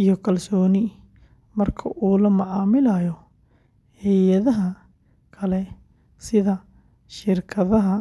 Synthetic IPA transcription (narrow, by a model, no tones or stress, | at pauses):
ijɔkʰɐlsɔːnɪ | mɐrkʰɐ̰ʔuːlɐmɐʕɑːmɪlɐjɔ | hɛjɐðɐɦɐ | kʰɐlɛ | sɪðɐ | ʃɪrkʰɐðɐɦɐ